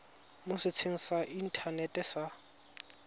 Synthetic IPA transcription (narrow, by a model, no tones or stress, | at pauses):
mʊsɪt͡sʰeŋ̩saʔin̩tʰanɛtʼɛsa